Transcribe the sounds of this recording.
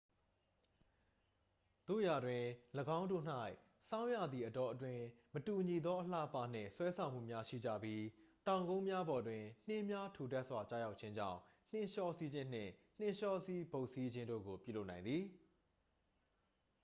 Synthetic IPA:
t̪o̰˦˨ja˨dwɪ̃˨ləɡã˦ʊ̃ndo̰˦˨n̥a˦ɪ | sã˦ʊ̃ja̰˦˨d̪ði˨ʔətɔ˨ʔətwɪ̃˦mətu˨ɲi˨d̪ɔ˦ʔəlä̰˦˨əpa˦n̥ɪ̰̃˦˨swɛ˦sʰã˨ʊ̃m̥ṵ˦˨mja˦ʃḭ˦˨d͡ʑä̰˦˨bji˦tã˨ʊ̃ŋɡõ˦ʊ̃mja˦bɔ˨dwɪ̃˨n̥ɪ̃˦mja˦tʰu˨tɛ˦ʔswa˨t͡ɕa̰˦ja˦ʊʔ̚t͡ɕʰɪ̃˦ɲd͡ʑã̰˦˨ʊ̃ | n̥ɪ̃˦˨ʃɔ˦si˦d͡ʑɪ̃˦˨n̥ɪ̰̃˦˨n̥ɪ̃˦ʃɔ˦ʔsi˦bo˦˨ʊʔsi˦d͡ʑɪ̃˦ndo̰˦˨ɡo˨pjṵ˦˨lo˦ʔnã˨ɪ̃nd̪i˨

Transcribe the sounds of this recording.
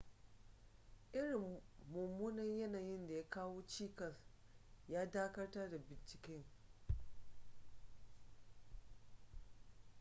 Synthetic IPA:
ʔɪ˦ɽɪ˨mːʊ˨mːuː˦nɐ˦ɲjɐ˦naː˨jɪ˦nda˨ja˦kaː˦woː˦t͡ʃiː˦kɐ˨sjaː˦daː˦kɐ˦rta˦da˨bɪ˨nt͡ʃɪ̥˨kʲɛ˦ŋ

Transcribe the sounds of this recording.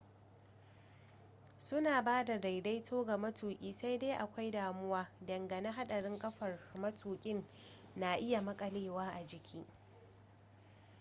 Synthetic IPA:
sʊ˦naː˨baː˦da˨da˨jda˦jtʰoː˦ɡa˨mɐ˦tʰuː˨kʲʼiː˦sa˦jda˦ʔa˨kʷa˦jdaː˨mʊ˦waː˦dɐ˨ŋɡɐ˨na˦ɦa˦ɗɐ˨ɽɪ˦ŋkʼɐ˦ɸɐ˨rmɐ˦tʰuː˨kʲʼɪ˦nː | a˨ʔɪ˦ja˨mɐ˦kʼɐ˨leː˦waː˦ʔa˨d͡ʒɪ˨kʲʰiː˦

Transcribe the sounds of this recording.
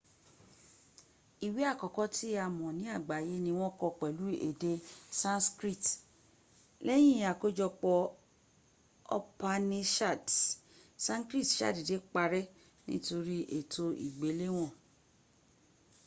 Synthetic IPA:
i˨wi˨˦a˦˨kɔ˨kɔ˦tʰi˦a˧˨mɔ̃˨nĩ˨˦a˦˨ɡ͡ba˨je˦nĩ˧w̃ɔ̃˦kɔ˧k͡pɛ˨lu˨˦ḛ˨de˧sã˦nskɾi˦˨t | lɛ˦j̃ĩ˦˨˦a˨ko˦d͡ʒɔ˧k͡pɔ˧ | ɔ˦pa˧nĩ˧ʃa˦˨t | sã˦kɾi˦˨tʃa̰˦˨di˨de˨˦k͡pa˧ɾɛ˦ | nḭ̃˦to˧ɾi˦ʔe˨tʰo˧ḭ˨ɡ͡be˨˦le˦w̃ɔ̃˦˨

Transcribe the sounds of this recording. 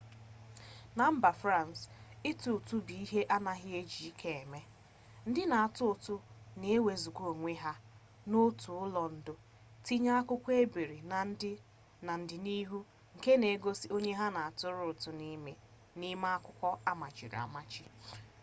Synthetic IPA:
na˨m̩˦ba˨fɾa˦˨n˨sɪ˦tu˨tʊ˦bi˨i˦ɦe˦ʔa˦na˦ɦɪ˦e˦d͡ʒi˨i˦kʰe˨e˨me˦ | n̩˦dɪ˦na˨a˨tʊ˦ʊ˨tʊ˦ne˨e˦we˨zu˨kʷo˨ŋʷe˦ɦa˦ | no˦tu˨ʊ˦lɔ˨n̩˨dʊ˦ | ti˦ɲa˦a˦kʊ˦kʷe˦be˨ɾi˨n˨˦ | na˨n̩˨dɪ˨ni˦ɦu˦ | ŋ̩˨ke˦ne˨˦ɡo˦si˦o˦ɲe˦ɦa˦na˨a˨tʊ˦ɾʊ˦ʊ˨tʊ˨ni˦me˦ | ni˦ma˦a˦kʷʊ˦kʷɔ˦a˦ma˨t͡ʃɪ̰˨ɾ̰a̰˨ma˦t͡ʃɪ˦

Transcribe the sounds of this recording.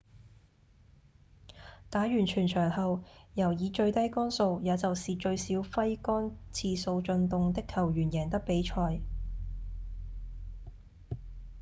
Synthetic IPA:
t̪aː˨˥ɥyː˨˩nt͡ʃʰyː˨˩nt͡ʃʰœː˨˩ŋhɐ˨wjɐ˨˩wjiː˨˧t͡ʃɵ˧ɥt̪ɐ˥jkɔː˥nso˧wjaː˨˧t͡sɐ˨wsiː˨t͡ʃɵ˧ɥsiː˨˥wfɐ˥jkɔː˥nt͡sʰiː˧so˧wt͡ʃɵ˧nt̪ʊ˨ŋt̪ɪ˥kʰːɐ˨˩wjyː˨˩njɛː˨˩ŋt̪̬ɐ˥k̚pe˨˥jt͡ʃʰɔː˧j

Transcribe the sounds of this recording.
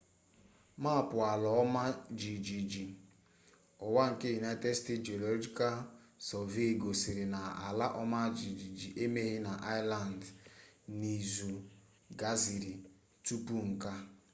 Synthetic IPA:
ma˦˨pʊ˨a˨lɔ˨ɔ˦ma˦d͡ʒi˨d͡ʒi˨d͡ʒi˨ | ɔ˨wa˦ŋ̩˨ke˦ju˨na˦te˦ste˦td͡ʒi˨o˨lo˦d͡ʒi˦ka˦l | sɔ˨ve˦˨ɡo˨sɪ˨ɾɪ˨na˨a̰˨la˦ʔɔ˦ma˦d͡ʒi˨d͡ʒi˨d͡ʒi˨ʔe˦me˦ɦɪ˦na˨ʔa˦ɪ˦la˨n˨d | ni˨zu˨ | ɡa˦zi˨ɾi˨ | tu˦pu˦ŋ̩˨ka˦

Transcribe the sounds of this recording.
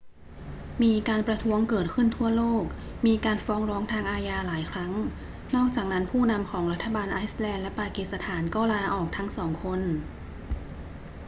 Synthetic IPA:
miː˧kaː˧npɾa˧t̪ʰu˦˥əŋkɤː˨˩t̪̚kʰɯ˥˩nt̪ʰu˥˩ɐloː˥˩k̚ | miː˧kaː˧nfɔː˦˥ŋɾɔː˦˥ŋt̪ʰaː˧ŋʔaː˧jaː˧laː˩˦jkʰɾa˦˥ŋ | nɔː˥˩k̚t͡ɕaː˨˩k̚na˦˥npʰuː˥˩na˧mkʰɔː˩˦ŋɾa˦˥t̪ʰːa˧baː˧nʔaː˦˥jslɛː˧nlɛ˦˥paː˧ki˨˩t̪̚sa˧t̪ʰaː˩˦nkɔː˥˩laː˧ʔɔː˨˩k̚t̪ʰa˦˥ŋsɔː˩˦ŋkʰo˧n

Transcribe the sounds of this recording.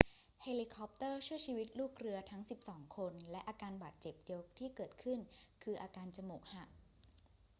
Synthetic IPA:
he˧li˧kʰɔ˦˥p̚t̪ɤː˥˩t͡ɕʰu˥˩əjt͡ɕʰiː˧wi˦˥t̪̚luː˥˩k̚ɾɯ˧ɐt̪ʰa˦˥ŋsi˨˩p̚sɔː˩˦ŋkʰo˧nlɛ˦˥ʔaː˧kaː˧nbaː˨˩t̪̚t͡ɕe˨˩p̚di˧əwt̪ʰiː˥˩kɤː˨˩t̪̚kʰɯ˥˩nkʰɯː˧ʔaː˧kaː˧nt͡ɕa˧mu˨˩k̚ha˨˩ʔ̚

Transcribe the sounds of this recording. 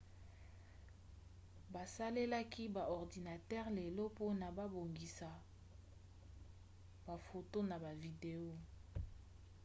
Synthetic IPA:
ba˨sa˦le˦la˦ki˦ba˨ɔ˨ʁdi˨na˨tɛ˦ʁle˨lo˦po˦na˨ba˦bo˨ŋɡi˨sa˨ | ba˨fo˨to˦na˨ba˨vi˨de˨o˦

